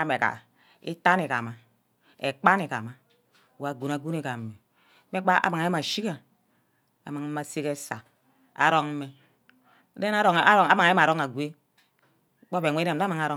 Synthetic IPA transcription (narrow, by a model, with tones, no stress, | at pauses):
a˦me˨ka̰˨ | ḭ˦ta˦ni˨ka̰˨ma˨ | ḛ˨k͡pa˦ni˨ka̰˨ma˨ | wa˨ɡu˨na˨ɡu˦ni˨ka˨me˨˦ | me˦k͡pa˦a̰˨ma˨ŋ˨˦e˦ma˨ʃi˦ka˨ | a̰˨ma˨ŋ˦ma˨se˦ke˦sa̰˨ | a̰˨ɾo˦ŋ˦me˦ | de˦na˦ɾo˨˦ŋ˨a˦ɾo˦ŋa˨˦ma˨ŋa˨˦e˦a˨ɾo˦ŋa˨ɡʷe˦ | k͡po˦be˨ŋʷe˦e˨a˦ma˨ŋa˨ɾo˦